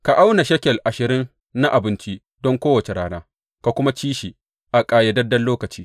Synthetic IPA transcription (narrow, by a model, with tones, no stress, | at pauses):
ka˨ʔa˦wna˨ʃɐ˦kʲɛ˨lʔa˨ʃɪ˨ɾɪ˦nː | a˦ʔa˨bɪ˦nt͡ʃi˦ | dɔ˦ŋkʷoː˦wɐ˨t͡ʃe˨ɾaː˦naː˦ | ka˨kʷʊ˦ma˦t͡ʃiː˦ʃiː˨ | ʔa˨kʼaː˨jɐ˨dɐ˦dɐ˦nloː˦kɐ˨t͡ʃiː˦